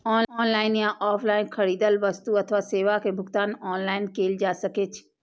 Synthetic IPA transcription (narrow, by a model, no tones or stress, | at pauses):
ɔːɔːnlaːɪnjãʔɔːpʰlaːɪnkʰɐɽiːd̪əlʋəst̪uɐt̪ʰʋaseːʋakebʱʊɡt̪aːnɔːnlaːɪnkeːld͡ʒaːsəkeːt͡ʃʰ